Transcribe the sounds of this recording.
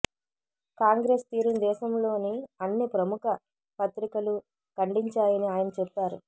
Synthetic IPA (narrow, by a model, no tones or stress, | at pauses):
kaːŋɡɾeːst̪iːɾund̪ɛːʃɐmlo̞ːniɐnːipɾɐmukɐ | pɐt̪ɾikɐlu | kɐɳɖiɲt͡ʃaːjɐniaːjɐnɐt͡ʃɛpːaːɾṵ